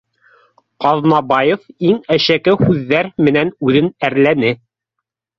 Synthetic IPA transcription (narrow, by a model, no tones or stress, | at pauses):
qɑðnɑbɑjefiŋæʃækɘhʉðːæɾmɘ̆nænʉðɘnæɾlænɘ